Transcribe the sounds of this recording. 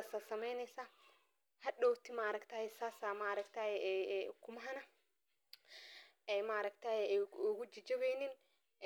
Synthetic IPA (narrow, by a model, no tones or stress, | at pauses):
sɐsɐmɛjnɛjsa | hɐɗɔːkt̪ɪmaːɾɐkt̪aːhɛsaːsamaːɾɐkt̪ʰahɛɛkʰʊmɐɦɐnɐ | ɛmaːɾɐkt̪aːjɛʊɣʊd͡ʒɪd͡ʒɐβɛjnɪn